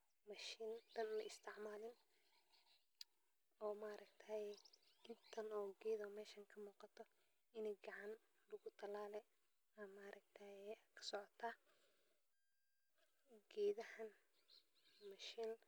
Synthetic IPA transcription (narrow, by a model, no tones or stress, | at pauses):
mɐʃiːnd̪ɐnlɐ̰ʔɪst̪ʰɪʕmaːlɪn | ɔːmaːɾʔɐk̚t̪ʰaːjɛd̪ibt̪ʰɐnɔːɡɛːðɔːmɛːʃɐŋkʰɐmuːqɑt̪ʰɔ | ɪnɛɡɑʕan | lʊɣʊt̪ʰɐlaːlɛ | ɐmaːɾʔɐk̚t̪ʰaːjɛkʰɐ̥sɔʕɔt̪ʰaː | ɡ̥ɛːðɐhɐn | mɐʃiːn